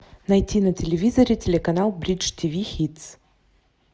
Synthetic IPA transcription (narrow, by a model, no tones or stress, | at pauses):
nɐjtʲinətʲɪlʲɪvʲizəɾʲɪtʲɪlʲɪkɐnalˠbɾʲit͡ʂtʲivʲixʲit̪s